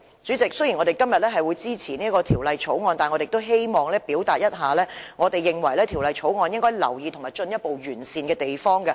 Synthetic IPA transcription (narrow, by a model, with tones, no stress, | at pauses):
t͡syː˨˥t͡sɪ˨k̚sɵ˥jiː˨˩ŋɔ˨˧ɾe˨jkɐ˥mjɐ˨t̚lɛː˥ɦɐ˨jwuː˨˧jt͡siː˥t͡sʰiː˨˩niː˥kɔː˧t̪ʰi˨˩wlɐ˨˧jt͡ʃʰo˨˥wŋɔː˧nt̪aː˨˩nɔ˧te˨t̪o˥wɦe˥jmɔː˨˩ŋlɛː˥piː˨˥wt̪aː˨t̚jɐ˥t̚ɦaː˨lɛː˥ŋɔː˨˧t̪e˨jːɪ˨ŋwɐ˨˩jlɛː˥t̪ʰiː˨˩wlɐ˨˧jt͡sʰo˨˥wŋɔː˧njɪ˥ŋkɔː˥jlɐ̰˨˩wjiː˨˧tʰʊ˨˩ŋmaː˨jt͡ʃɵ˧njɐ˥t̚po˨wjyː˨˩nsiː˨nkɛː˧t̪e˨jfɔː˥ŋkɐ˧